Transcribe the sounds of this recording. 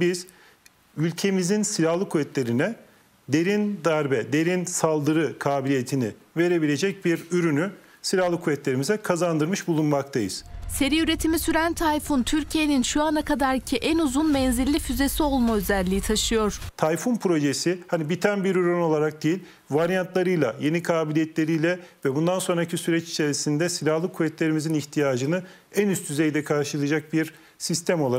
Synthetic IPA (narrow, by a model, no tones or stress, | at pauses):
biz̥ | ylʲcʰe̞mizinsilʲahlˠɯkʰuvɛt̪lʲe̞ɾinɛ | d̪e̞ɾind̪aɾbɛd̪e̞ɾinsalˠd̪ɯɾɯkʰaːbilʲijet̪ʰini | ve̞ɾe̞bilʲe̞d͡ʒɛc̚biɾyɾyny | silʲahlˠɯkʰuvɛt̪lʲe̞ɾimizɛkʰazand̪ɯɾmɯʃbulˠunmak̚t̪ʰajɯ̰z̥se̞ɾiyɾe̞t̪ʰimisyɾænt̪ʰajfunt̪ʰyɾcʰije̞ninʃuanakʰad̪aɾcʰiʔænuzunmɛnzilʲːifyze̞sio̞lˠmaøzælʲːijit̪ʰaʃɯjo̞ɾ̥t̪ʰajfunpʰɾo̞ʒesihanibit̪ʰænbiɾyɾøno̞lˠaɾak̚d̪ejilʲ | vaɾijant̪ʰlˠaɾɯjlˠaje̞nikʰaːbilʲijɛt̪lʲe̞ɾijlʲɛvɛbund̪anso̞nɾacʰisyɾɛt͡ʃi̥t͡ʃʰe̞ɾisind̪ɛsilʲahlˠɯkʰuvɛt̪lʲe̞ɾimiziniçt̪ʰijaːd͡ʒɯnɯ | ænyst̪ʰyzejd̪ɛkʰaɾʃɯlˠɯd͡ʒak̚biɾ | sist̪ʰæmo̞lˠa